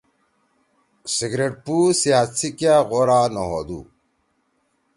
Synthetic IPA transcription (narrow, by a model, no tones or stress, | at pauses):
siɡɾeʈ̚pusiɦasikjaɣoɾaːnoɦod̪ṵ